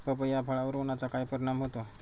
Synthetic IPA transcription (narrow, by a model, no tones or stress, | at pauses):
pəpəjapʰaɭaʋuɾonat͡sakajpəɾiɽamɦot̪o